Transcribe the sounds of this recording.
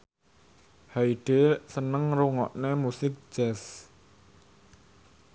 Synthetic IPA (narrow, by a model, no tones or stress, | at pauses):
haiɖ̥esənəŋruŋɔʔnemusɪk̚d͡ʒ̥ɛs